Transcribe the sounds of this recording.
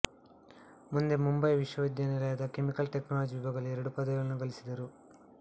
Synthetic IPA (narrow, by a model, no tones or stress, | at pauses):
mund̪e̞mumbɐjʋiʃʋɐʋid̪jɐnilɐjaːd̪ɐke̞mikɐlʈeknaːlɐd͡ʒiʋibʱɐɡɐluɛɾɐɽupɐd̪ɐɡɐlɐnːuɡɐlisid̪ɐɾu